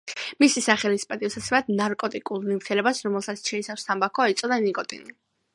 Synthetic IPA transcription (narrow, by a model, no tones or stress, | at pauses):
misisaχɛlispʼɛd̪ʼivsat̪sʰɛmad̪naɾkʼɔt̪ʼikʼulˠnimt̪ʰɛlɛbasɾɔmɛlˠsat̪sʰt͡ʃʰɛisafst̪ʰambakʰɔait̪sʼɔd̪anikʼɔt̪ʼḭni